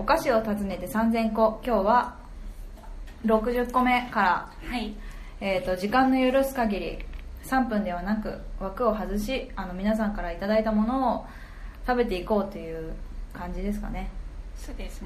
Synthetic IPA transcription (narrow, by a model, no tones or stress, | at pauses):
o̞kaɕio̞t̪at͡sɨne̞t̪e̞sãnd͡zẽ̞ŋko̞kʲo̞ːβa | ɾo̞kɯ̟ʑɨkːo̞me̞kaɾa | a | eːt̪ːo̞ʑikãnːo̞joɾɯ̟sɨ̥kaɡʲiɾʲḭsãmpɯ̟̃nd̪e̞β̞anakɯ̟̰βakɯ̟o̞ɦazɨɕiano̞mʲinas̬ãŋkaɾait̪ad̪ait̪amo̞no̞ː | t̪abe̞t̪e̞iko̞ːt̪ːe̞jɯ̟ːkãɲ̟d͡ʑid̪e̞s̬ɨ̥ka̰ne̞soːd̪es